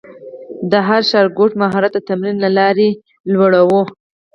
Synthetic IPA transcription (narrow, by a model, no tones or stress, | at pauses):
d̪əɦaɾʃɑɾɡoʈmaɦɑɾat̪̚d̪ət̪amɾinlalɑɾe | lwaɽawo